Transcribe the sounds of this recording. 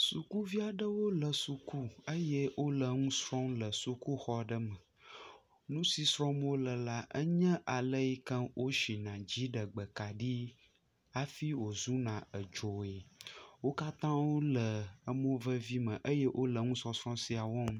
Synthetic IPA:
su˨ku˦vi˦a˨ɖə˦wo˦lə˨su˨ku˦ə˦jɛ˦wo˦lə˨ŋũ˦sɾɔ̃˦mlə˨su˨ku˦xɔ˦ɖə˦mə˨ | nũ˦si˨sɾɔ̃˦mwo˦lə˨la˦ʔə˦ɲɛ̃˦ʔa˨lə˦ji˦kə̃˦wʔo˦ʃi˨nã˨d͡ʑi˦ɖə˨ɡ͡bə˨ka˨ɖi˦ | a˦fi˦wo˨zu˦nã˨ə˨d͡ʒo˨e˨wo˦ka˦t̪ã˦wo˦lə˨ə˦mõ˦və˦vi˦mə̃˨ʔə˦je˦ʔo˦lə˨ŋũ˦sɔ˨sɾɔ̃˦si˦a˨wɔ˦m

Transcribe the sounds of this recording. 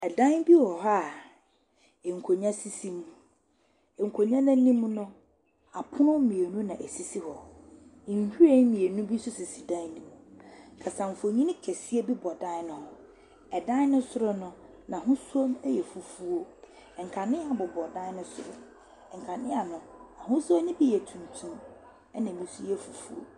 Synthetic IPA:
ɛ˨dã˦n˦bi˦hɔ˨ɦa˦˨ | ɛ˨ŋ̩˨kʰo˨ɲã˦si˦sĩ˦mũ˦ | ɛ˨ŋ̩˨kʰo˨ɲã˦nã˦nĩ˦m˦nʊ̃˦ | a˨pʰʊ˦nʊ̃˦mĩ˨e˨nũ˦nã˨ʔɛ˨si˦si˦hɔ˨ | n̩˨hu˦ɾe˦mĩ˨e˨nũ˦bi˦sʊ˦sɪ˨si˨dã˦nĩ˦mũ˨kʰa˨sã˨m̩˨fo˨ɲĩ˦nĩ˦kʰɛ˨si˦e˦bi˦bɔ˨dã˦nʊ̃˦hɔ˨ | ɛ˨dã˦nʊ̃˦sʊ˦ɾʊ˦nʊ̃˦ | nã˨ɦʊ̃˦su˦o˦mɛ˦jɛ˨fu˨fu˦o˦˨ | ŋ̩˨kʰa˨nɪ̃˦a˨bʊ˨bɔ˨dã˦nʊ̃˦sʊ˨ɾʊ̰˨ | ŋ̩˨kʰa˨nɪ̃˦a˨nʊ̃˨ã˨ɦʊ̃˦sa˦nɪ̃˦bi˦jɛ˨tʰũ˨n˨tʰũ˦m | ɛ˦nã˨mĩ˨˦su˦jɛ˦fu˨fṵ˦o̰˨

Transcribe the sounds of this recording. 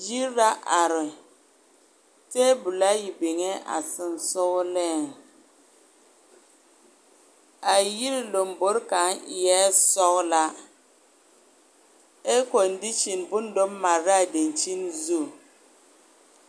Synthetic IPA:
d͡ʒi˦ɾa˦ʔa˨ɾɪ˨ | te˦bu˨la˦ji˨bɪ˨ŋɛ˦ʔa̰˨sɪ˦nsʊ˦ɣlɛ˦˨ | a˨ji˦ɾi˦lo˨mbo˦ɾka˨˦nʔɪ˨jɛ˦sɔ˦ɣla˦ | e˦kɔ˨ndi˦t͡ʃi˨nbʊ˦n˦do˦mː˦a˨ɾa˦˨de˨nt͡ʃi˦nzu˦˨

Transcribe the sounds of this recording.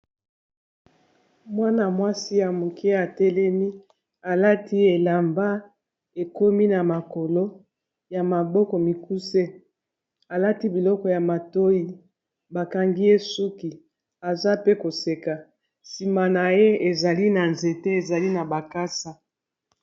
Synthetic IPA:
mwa˦na˨mwa˦si˦ja˨mu˨ke˦a˨tɛ˦lɛ˦mi˦ | a˨la˦ti˦e˨la˨mba˦ | e˨ko˦mi˦na˨ma˨ko˨lo˦ | ja˨ma˨bɔ˦kɔ˨mi˨ku˦se˦ | a˨la˦ti˦bi˨lɔ˦kɔ˨ja˨ma˨to˦ji˦ | ba˨ka˨ŋɡi˦je˦su˦ki˨ | a˨za˦pe˦ko˨se˨ka˨ | si˨ma˨na˨je˦e˨za˨li˦na˨nze˨te˦e˨za˨li˦na˨ba˨ka˦sa˨

